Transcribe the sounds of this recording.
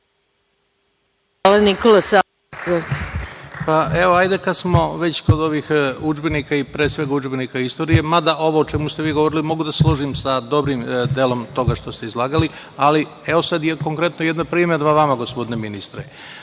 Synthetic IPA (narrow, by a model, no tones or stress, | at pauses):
alanikolasa | paeʋoajd̪e̞kad̪smo̞ʋet͡ɕko̞d̪o̞ʋixud͡ʒbenikaipɾesʋe̞ɡaud͡ʒbenikaist̪o̞ːɾije̞mad̪aʔo̞ʋoːt͡ʃemust̪eʋiːɡoʋo̞ɾilimo̞ɡud̪aslˠoʒimsad̪o̞bɾimd̪eːlo̞mt̪o̞ɡaʂt̪o̞st̪e̞izlˠaːɡali | ali | eʋo̞sad̪jeko̞ŋkɾe̞t̪nojed̪napɾimed̪ʋaʋamaɡo̞spo̞d̪ineminist̪ɾe